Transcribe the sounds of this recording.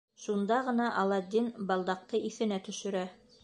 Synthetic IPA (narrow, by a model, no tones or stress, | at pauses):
ʃund̪ɑʁɤ̆nɑʔɑlˠɑd̪ʲːinbɑlˠd̪ɑq̚t̪ɤʔiθɘ̆næt̪ɵ̆ʃɘ̆ɾæ